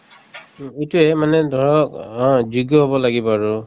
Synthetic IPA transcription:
etuɛmanɛdʱɔɹɔkd͡ʒuɡjɔɦobɔlaɡibaaɹu

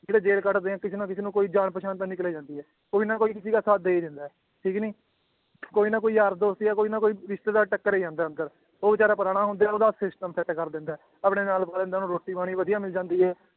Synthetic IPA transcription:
d͡ʒeːɽeːd͡ʒeːlkəʈd̪eːãːkɪseːnãːkɪseːnũːkoːiːd͡ʒaːɳpəʃaːnt̪ãːnɪkleːd͡ʒãːnd̪iːɛː | koːiːnaːkoːiːkɪsiːkaːsaːt̪̚d̪eːiːd̪ɪnd̪aːɛː | ʈʰiːkniː | koːiːnãːkoːiːaɾd̪oːst̪iaːkoːiːnaːkoːiːɾɪʃt̪eːd̪aːʈəkːəɾeːd͡ʒãːnd̪aːə̃nd̪əɾ | oːbɪt͡ʃaːɾaːpəɾaːɽ̃aːɦʊ̃nd̪aːɛoːd̪aːsɪsʈəmpʰɛt̪ːkəɾd̪ɪ̃nd̪aɛː | əpɽeːnaːlpaːlẽnd̪aːnũːɾoːʈːiːbaːɽ̃iːʋəd̪ijãːmɪld͡ʒãːnd̪iːɦɛː

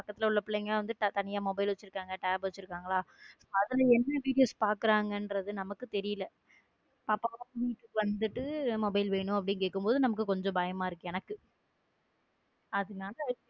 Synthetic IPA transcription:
pɐkːɐt̪ːɪlɐʊɭːɐpːɪɭːɐŋɡɐʋɐnd̪ɯʈt̪ɐnɪjaːmɔbɐɪlʋɐt͡ʃːɯɾɯkːaːŋɡɐʈɛːbʋɐt͡ʃːɯɾɯkːaːŋɡɐɭaːsoːɐðɐlɐɛnːɐʋiːɽɪjoːspaːɾkɯɾaːŋɡɐnɾɐðɯnɐmɐkːɯt̪ɛɾɪjɪlɐ | pɐːpːaːʋɐpniːʈːɯʋɐnd̪ɯʈːɯmɔbɐɪlʋeːɳʊ̃ɐpːɐɽɪnkeːkːɯmpoːðɯnɐmɐkːɯkɔɲd͡ʒɔ̃bɐːjɐmaːɪɾɯkːɯɛnɐkːɯ | ɐðɯnaːlɐ

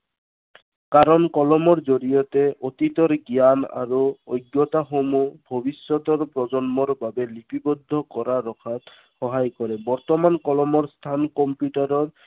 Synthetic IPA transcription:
kaɾɔnkɔlɔmɔɹzoɹijɔt̪ɛʔot̪it̪ɔɹɡijana̰ɹuojɡːɔt̪axomubʱobisɔt̪ɔɹpɹɔzɔnmɔɹbabɛlipibɔd̪ʱːɔkɔɹaɹɔkʰat̪ | xɔɦajkɔɹɛbɔɹt̪ɔmankɔlɔmɔɹst̪ʰankɔmpjuʈaɾɔɹ

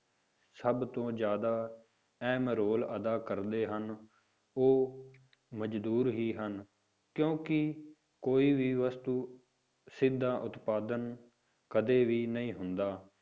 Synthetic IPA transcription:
səbt̪õːd͡ʒjaːd̪aː | ɛːmɾoːləd̪aːkəɾd̪eːɦən | oː | məd͡ʒd̪uːɾɦiːɦən | kjõːkɪ | koːiːʋiːʋəst̪uː | sɪd̪ʱːaːʔʊt̪paːd̪ən | kəd̪eːʋiːnəĩːɦʊnd̪aː

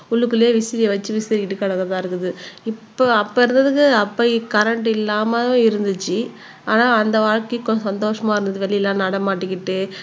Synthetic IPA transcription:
ʊɭːɯkːɯleːʋɪsɪɾɪjɐʋɐt͡ʃːɯʋɪsɪɾɪkːɪʈːɯkːɐɽɐkːɐðãːɪɾɯkːɯðɯɪpːoːɐpːoːɪɾɯnd̪ɐðɯkːɯɐpːɐkɐɾɐɳʈɪlːaːmɐõɪɾɯnd̪ɯt͡ʃːɯ | aːnaːɐnd̪ɐʋaːɻkɪkːõsɐnd̪oːʂɐmaːɪɾɯnd̪ɐðɯʋɛɭːɪjɛlːãːnɐɽɐmaːʈːɯkːɪʈːɯ

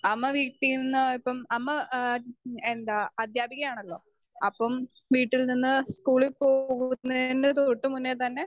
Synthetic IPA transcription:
ɐmːɐʋiːʈːininːɨipːɐmɐmːɐ | end̪aɐd̪jaːbʱiɣɐjaːɳɐlːo̞̰ː | ɐpːɐm | ʋiːʈːilninːɨskuːɭilpo̞ːɣuunːɐnːɨt̪oʈːɨmunːet̪ɐnːe̞

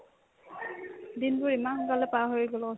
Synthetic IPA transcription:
dinbʊɹimanxɔŋkalɛpaɦojiɡɔlɔ

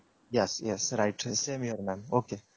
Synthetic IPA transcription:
jɛsjɛsɾaɪʈsẽmjəɾmæ̃noke

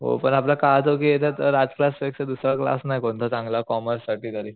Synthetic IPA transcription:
ɦo̰pəɳaplakad͡z̪ok̬iet̪ʰẽt̪əɾad͡zklaspeksed̪usɾakla̰snajkoɳt̪ʰət͡sãŋɡlakɔməɾsːaʈiːt̪əɾi

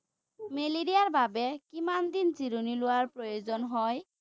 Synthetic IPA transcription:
meliɾijaɾbʱabekimand̪int͡ʃiɾoniluaɾpɾojod͡ʑɔnɦɔj

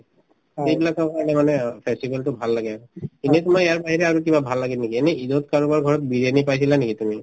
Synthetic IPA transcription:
ejbilakakanɛmanɛpʰɛstibɛltʊbʱalːaɡɛakkinɛt̪umaejaɹbaɦiɹɛaɹuk̬ibabʱalːaɡilnekiɛnɛidotkaɹubaɹɡʱɔɹɔt̚biɹienipajsilanekitumi

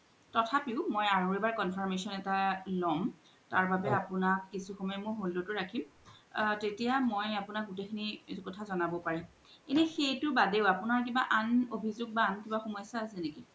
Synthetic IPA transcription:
tɔtʰapiʊmojaɹoɹebaɹkɔnpʰɔɹmesɔnɛtalɔm | taɹbabɛapʊnakːisuxɔmɔjɛmʊɹɦolːotʊɹakʰim | tetijamojapʊnak̚ɡutekʰinikɔtʰazɔnabɔpaɹim | kinɛxejtʊbadeʊapʊnaɹkibaʔanobʱizʊɡ̚baːnkibaxɔmɔjsaasɛneki

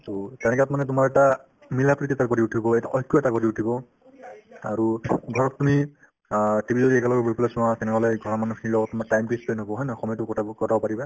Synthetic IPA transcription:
tutɛnɛkɛatmanɛtʊmaɹɛta | milapɹititakoɹiutʰibɔɛjta̰ʔɔkːɔɛtakɔɹiutʰibɔ | a̰ɹuɡʱɔɹɔtːumi | tibʱizɔɾiɛkalɔɡɔbʱupɔlɛsuwãtɛnɛɦɔlɛɡʱɔɹɔmanukʰinilɔɡɔtːumatajmkiispɔjnɔbɔɦɔjnaxɔmɔjtukɔkɔtabɔpaɹibɛ

